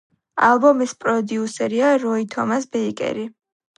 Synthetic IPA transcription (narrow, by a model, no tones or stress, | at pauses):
alˠbɔmispʼɾɔd̪iusɛɾiaɾɔit̪ʰɔmasbɛikʼɛ̰ɾi